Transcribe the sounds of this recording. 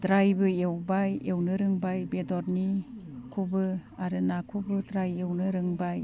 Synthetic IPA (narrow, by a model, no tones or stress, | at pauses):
dɾajbɯewbajewnɯɾɯŋbajbedɔɾnikʰubɯaɾɯnakʰubɯdɾajewnɯɾɯŋbaj